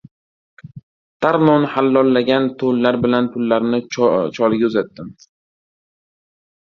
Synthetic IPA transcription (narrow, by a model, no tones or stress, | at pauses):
t̪ʰaɾnɒnɪhalːɒlːaɡʲant̪ʰolːaɾbɪlanpʰʊlːaɾnɪt͡ʃʰɒlˠɪɡʲaʊzat̪ːɪm